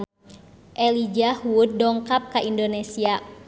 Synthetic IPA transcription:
ʔɛlid͡ʒahuud̚dːɔŋkap̚kaʔindonesia

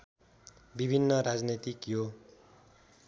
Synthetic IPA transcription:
bibʱinːʌɾad͡znit̪ikjo

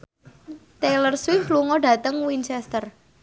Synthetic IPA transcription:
t̪elərswɪfluŋɔɖä̤t̪əŋwint͡ʃɛst̪ər

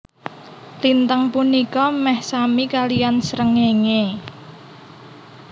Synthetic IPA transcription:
lint̪əŋpunikɔmɛhsamikalijansɾəŋeŋe

